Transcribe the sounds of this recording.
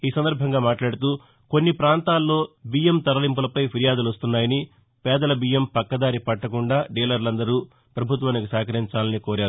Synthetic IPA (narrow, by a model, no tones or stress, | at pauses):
iːsɐnd̪ɐɾbʱɐŋɡaːmaːʈlaːɽut̪uː | konːipɾaːnt̪aːlːo̞ːbiːjemt̪ɐɾɐlimp̬ulɐpɐjpʰiɾijaːd̪ulʋɐst̪unːaːjɐni | pɛːd̪ɐlɐbiːjempɐkːɐd̪aːɾipɐʈːɐkuɳɖaːɖiːlɐɾlɐnd̪ɐɾuː | pɾɐbʱut̪ʋaːnikisaːkɐɾiɲt͡ʃaːlɐnikoːɾaːɾu